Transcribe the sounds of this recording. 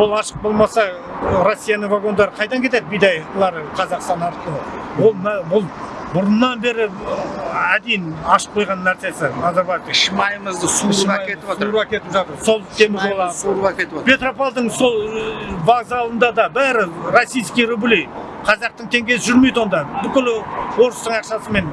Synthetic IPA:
wo̞lˠɑʃəq̚bo̞lˠmɑsɑ | ɾosʲːijanəɴvaɡo̞nd̪ɑɾəqʰɑjd̪ɑŋkʲʰe̞t̪e̞d̪ɪbijd̪ɑjlˠɑɾəqʰɑzɑqst̪ɑnɑɾt̪ˠəwo̞lˠbʊlˠ | bʊɾənːɑnbe̞ɾɪ | æd̪e̞jɪnɑʃə̥q̚qʰojʁɑnːæɾse̞sɪnɑd̪ɑɾbɑt̪ʃmɑjməzd̪əsujet̪ɪuɾɑkʲʰe̞t̪ɪpʒɑt̪əɾso̞lˠt̪ʰe̞mɪzolˠɑuɾɑkʲet̪ɪpʰe̞t̪ɾo̞palˠd̪əɴso̞lˠvaɡzɑlˠənd̪ɑd̪ɑbæɾɪɾosijskʲijɾublij | qʰɑzɑq̚t̪əɴt̪ʰe̞ŋɡʲe̞sɪʒʏɾme̞jd̪wo̞nd̪ɑbʏkʲɪlwo̞ɾəst̪əɴɑqʃɑsəme̞n

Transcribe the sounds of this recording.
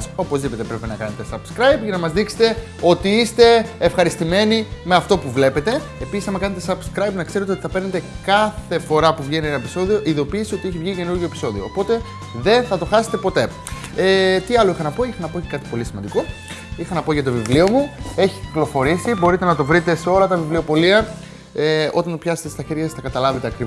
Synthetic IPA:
so̞po̞zðipe̞t̪epɾe̞penɐkɐne̞t̪esɐbskɾɐjbʝɐnɐmɐzðikse̥t̪e̞ | o̞t̪iist̪e̞ːfxɐɾist̪ime̞nime̞ɐft̪o̞puvle̞pe̞t̪e̞ | episi̥sɐmɐkɐne̞t̪esɐbskɾɐjbnɐkseɾt̪eot̪iθɐpe̞ɾne̞t̪e̞kɐθe̞fo̞ɾɐpuvʝieninɐepiso̞ðio̞ʔiðo̞piːsio̞t̪ie̞çivʝice̞nuɾʝo̞epi̥so̞ðioːpo̞t̪e | ðe̞nθɐt̪o̞xɐse̞t̪e̞po̞t̪e̞ | et̪iɐlo̞ixɐnɐpo̞ixɐnɐpoce̥kɐt̪i̥po̞lisimɐnd̪iko̞ | ixɐnɐpo̞ʝɐt̪o̞vivlio̞mue̞çi̥ciklo̞fo̞ɾisibo̞ɾit̪e̞nɐt̪o̞vɾit̪e̞seo̞lɐt̪ɐvivlio̞po̞liɐ | eo̞t̪ɐnt̪opçɐse̥t̪est̪ɐçe̞ɾʝɐssθɐkɐt̪ɐlɐve̞t̪eɐkɾi

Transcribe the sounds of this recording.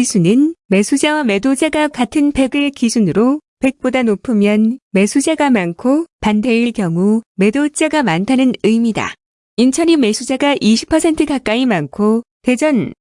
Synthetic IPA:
isʰunɯnme̞sʰud͡ʑawame̞dod͡ʑaɡakatʰɯnpe̞ɡɯɭkisʰunɯɾope̞k̚p͈odanopʰɯmjʌnme̞sʰud͡ʑaɡamankʰopande̞iɭkjʌŋume̞dot͡ɕ͈aɡamantʰanɯnɯjmida̰ | int͡ɕʰʌnime̞sʰud͡ʑaɡaʔiɕʰi̥pʰʌsʰe̞ntʰɯkak͈aimankʰote̞d͡ʑʌn

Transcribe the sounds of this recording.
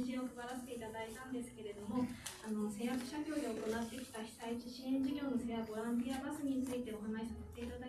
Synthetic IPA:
ɕĩɰ̃okɯɡaɾaset̪eit̪ad̪ait̪ãnd̪e̞sɨ̥ke̞ɾe̞d̪o̞mo̞ano̞sẽ̞ɰ̃jakɯ̟̥ɕakʲo̞ːdioko̞nat̪ːe̞kʲi̥t̪açi̥t̪ait͡ɕiɕĩẽ̞ɲ̟d͡ʑiɡʲo̞ːnoseabo̞ɾãnt̪̬iabasɨɲ̟it͡sɨit̪e̞o̞ɦanaɕi̥sase̞̥t̪e̞it̪ad̪a

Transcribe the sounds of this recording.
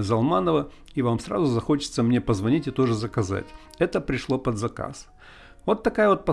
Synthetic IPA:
zɐlˠmanəvə | ivamsra̰zʊzɐxo̞t͡ɕɪ̥t̪səmnʲe̞pəzvɐnʲitʲɪt̪o̞ʐɨzəkɐza̰tʲ | ɛt̪əpɾʲɪʂlˠo̞pəd̪zɐka̰s | vo̞t̪ːɐkajəvo̞t̪̚pɐ

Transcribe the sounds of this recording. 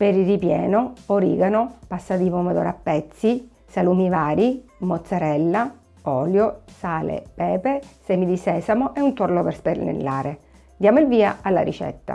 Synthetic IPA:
peɾirːipjɛːnooɾḭːɡanopasːad̪ipomad̪ɔ̰ɾapːɛt̪sːi | salumivaːɾimot̪saɾɛlːa | ɔːljosaːlḛpɛːpesɛmid̪isɛːsamoʔeunt̪orloperspenḛlːaːɾe | d̪jaːmoilviːaalːa̰ɾḭt͡ʃɛ̰t̪ːa̰

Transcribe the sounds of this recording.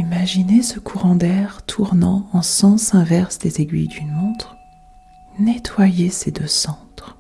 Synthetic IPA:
imaʒinesəkʰuʁɑ̃d̪ɛʁt̪ʰuʁnɑ̃ɑ̃sɑ̃sɛ̃vɛʁsd̪ezeɡʲɥḭjd̪ynot̪χ | net̪wajesed̪øsɑ̃t̪χ

